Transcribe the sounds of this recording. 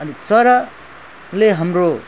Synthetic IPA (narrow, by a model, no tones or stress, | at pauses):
ʌnit͡sʌɾʌ | leɦʌmro